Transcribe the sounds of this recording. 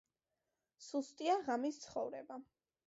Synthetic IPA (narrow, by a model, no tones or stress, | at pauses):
sust̪ʼiaʁamist̪sʰχɔvɾɛba